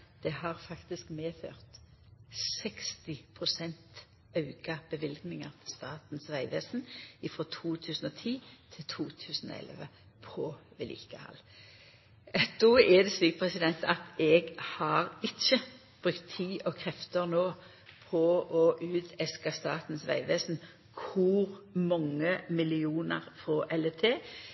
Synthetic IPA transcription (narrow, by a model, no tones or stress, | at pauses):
d̪̥ɛhɑʁfɑkt̪ɪskmeːfø̰ːʁt̪ | sɛkst̪ɪpʰʁʊsɛnt̪ | ɑʉɡɑb̥əʋɪlɡnɪŋɑʁt̪ʰst̪ɑːt̪n̩sʋæɪʋeːsn̩ɪfʁɔt̪ʰuːt̪ʰʉːsn̩ɔt̪ʰiːt̪ʰɪlt̪ʰuːt̪ʰʉːsn̩ɔ̰ɛ̰lʋə̰ | pʰɔʋɛlḭːkəhɑ̰l | d̪ɔːɛd̪ɛsʋiːkpʰʁɛsɪd̪ɛnt̪ɑt̪ɛɡhɑʁɪt͡ʃːə | b̥ʁʉkt̪ʰːiːʔɔkʰʁɛft̪əʁnoː | pʰɔʔɔʔʉːd̪ɛskɑst̪ɑːt̪n̩sʋæ̰ɪʋeːsn̩ | kʰʊʁmɔŋːəmɪlɪuːnəʁfʁɔʔɛlɛt̪ʰeː